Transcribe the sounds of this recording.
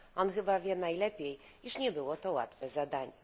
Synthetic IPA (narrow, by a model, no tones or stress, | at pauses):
ʔɔnxɘbavʲjɛnajlɛpʲjej | iʂɲɛbɘwɔt̪ɔwa̰t̪fɛzad̪aɲɛ